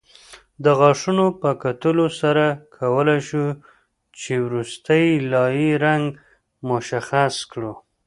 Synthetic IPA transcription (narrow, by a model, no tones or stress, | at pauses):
d̪əɣɑʂunopəkat̪əlosaɾakʰawəlajʃu | t͡ʃewɾust̪əjlɑjiɾaŋɡ | mʊʃaxaskɽu